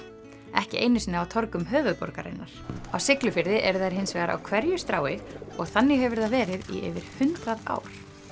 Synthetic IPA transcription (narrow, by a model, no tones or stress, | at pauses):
ɛhcɪʔejnʏsnɪawt̪ʰɔɾkʏmɦœːvʏðpɔ̰ɾkaɾɪ̰nːaɾ̥a̰wsɪklʏfɪɾðɪʔɛɾθajɾ̥ɦɪnsvɛːɣaɾa̰wkʰvɛɾjʏst̪ɾaːwɪɔɣθanːɪhɛvʏɾðavɛːɾɪðḭḛvɪɾ̥hʏnt̪ɾaða̰ːwɾ̥